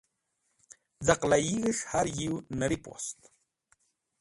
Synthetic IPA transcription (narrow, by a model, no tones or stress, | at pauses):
d͡zaqlajiɣəʂhaɾjiwnəɾipo̰st̪